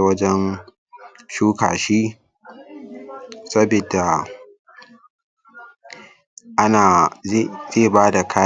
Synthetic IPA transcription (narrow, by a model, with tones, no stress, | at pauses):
wɐ˦d͡ʒɛ˦n | ʃuː˦ka̰ː˨ʃiː˦ | sɐ˦bɪ˨da˨ | ʔa˦naː˨ | zeː˦˨baː˦da˨kʰaː˦